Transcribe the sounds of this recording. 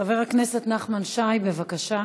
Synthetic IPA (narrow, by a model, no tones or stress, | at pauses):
aveʁaknesetnaχmanʃajbe̞vakaʃa